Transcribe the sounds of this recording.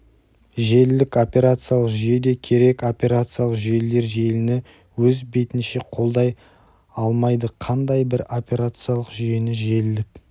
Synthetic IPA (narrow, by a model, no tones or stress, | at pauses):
ʒe̞lɪlɪko̞pʲe̞ɾat̪sɨjalˠəqʒʏje̞d̪e̞kʲʰe̞ɾe̞ko̞pʲe̞ɾat̪sɨjalˠəqʒe̞le̞ɾʒe̞lɪnɪ | wɵzbe̞t̪ɪnʃe̞qʰo̞lˠd̪ɑj | ɑlˠmɑjd̪əqʰɑnd̪ɑjbɪɾo̞pʲe̞ɾat̪sɨjalˠəqʒʏje̞nɪʒe̞lɪlɪk̚